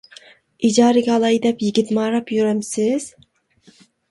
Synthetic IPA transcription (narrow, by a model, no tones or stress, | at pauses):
id͡ʒɑːɾɨɡʲɛːlˠɑjd̪ɛpjiɡʲit̪mɑːɾɑpjyɾɛmsɪz̥